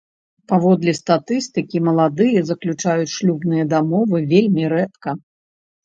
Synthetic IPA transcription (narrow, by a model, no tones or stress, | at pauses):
pavɔd̪lʲist̪at̪ɨst̪ɨkʲimɐlˠad̪ɨjɐzɐklʲut͡ʂajut͡sʲʂlʲubnɨjɐd̪amɔvɨvʲelʲmʲiɾɛt̪kɐ